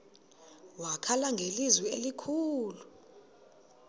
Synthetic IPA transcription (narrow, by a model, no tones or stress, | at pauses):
wakʰalaŋɡʱelizwielikʰuːlu